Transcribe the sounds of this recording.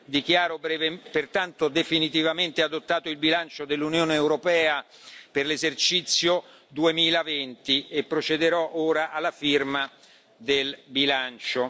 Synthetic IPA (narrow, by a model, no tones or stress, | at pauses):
d̪ikjaːɾobevepert̪ant̪od̪efinit̪ivament̪ead̪ot̪ːaːt̪oilbilant͡ʃod̪elːunjoːneːwɾopɛːa | perlezert͡ʃit̪sːjo | d̪uemiːlavɛnt̪iepːɾot͡ʃed̪eɾɔʔoːɾaʔalːafirma | d̪elbilant͡ʃo